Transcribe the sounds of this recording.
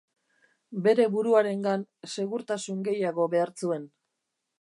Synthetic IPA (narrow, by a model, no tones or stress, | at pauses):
be̞ɾe̞βuɾuaɾe̞ŋɡanse̞ɣuɾt̪asuŋɡe̞jaɣo̞βe̞aɾt͡sue̞n